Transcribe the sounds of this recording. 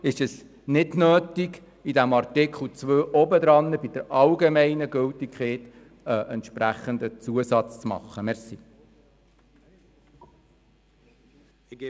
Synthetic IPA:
ɪʃɛs | nɪdnøːtiɡ | idæmɑrtɪkχl̩t͡sʋøːʔɔbəd̪ɾɑnːəbid̥̪əɾɑlɡemɛɪnəɡʏltikχeːt | əʔɛntʃpɾæχənd̪ət͡suəsɑt͡st͡smɑ̰χːəmɛɾsi

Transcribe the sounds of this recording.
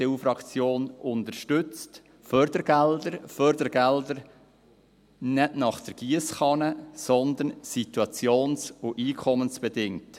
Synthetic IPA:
eufɾɑkt͡sjoːnʔʊnt̪əɾʃtʏt͡st | fœɾd̥̪əɾɡ̥ɛld̪əɾfœɾd̪əɾɡ̥ɛld̪əɾ | nɛdnɑχd̪̥əɾɡ̥iəsχɑnəsɔnd̪ənsit̪uɑt͡sjoːnsʊʔiːkʰɔmənsb̥ɛdɪŋt

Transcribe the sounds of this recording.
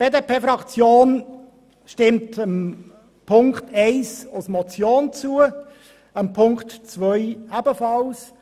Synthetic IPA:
b̥eːdepeːfɾɑkt͡sjoːn | ʃtɪmtəm | pʰʊŋktʰɛɪsasmɔt͡sjoːnt͡suːə | əmpʰʊŋktt͡svœʏæbəfɑls

